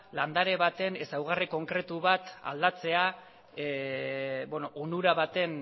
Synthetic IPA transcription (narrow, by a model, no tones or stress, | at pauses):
land̪aɾe̞β̞at̪e̞nesawɣ̞ariko̞ŋkɾe̞t̪uβat̪a̰ld̪at͡se̞a | benoʔonuɾaβat̪e̞n